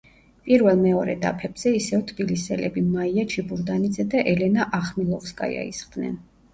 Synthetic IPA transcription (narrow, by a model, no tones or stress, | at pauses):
pʼiɾvɛlˠmɛɔɾɛ̰d̪a̰pʰɛb̥z̥ɛisɛvt̪ʰbilisɛlɛ̰bimaiat͡ʃʰibuɾd̪anid̪zɛd̪aʔɛlɛnaʔaχmilˠɔfskʼa̰ja̰ḭsχd̪nɛ̰n